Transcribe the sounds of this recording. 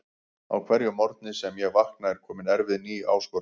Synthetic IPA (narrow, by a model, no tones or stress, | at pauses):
a̰wkʰvɛɾjʏmɔɾt̪nɪsɛmjɛɣvahknaɛɾ̥kʰɔːmɪnɛɾvɪðniːʔa̰ːwskɔ